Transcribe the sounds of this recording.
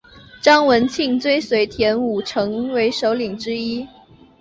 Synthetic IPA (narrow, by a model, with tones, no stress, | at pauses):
ʈ͡ʂɑ˥ŋwə˧˥nt͡ɕʰi˥˩ŋt͡swe˥ɪswe˧˥ɪt̪ʰjɛ˧˥nu˨˩ʈ͡ʂʰɤ˧˥ŋwe˧˥ɪʂo˧˥ʊli˨˩ŋʈ͡ʂɻ̩˥i˥